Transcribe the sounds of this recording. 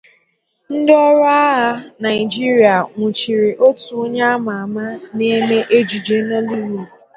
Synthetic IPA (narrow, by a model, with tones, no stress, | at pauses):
n̩˦dɪ˦ɔ˦ɾɔ˦a˦ɦa˦na˨ɪ˨d͡ʒi˦ɾi˨a˨ŋʷu˨t͡ʃi˨ɾi˨ʔo˦tu˨o˦ɲe˦a˦ma˨a˨ma˦ne˦me˦ʔe˦d͡ʒi˨d͡ʒe˦no˦li˦wo˨